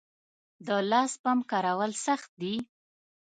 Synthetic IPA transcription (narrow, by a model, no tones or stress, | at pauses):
d̪əlɑspamkɑɾawəlsaxt̪̚d̪i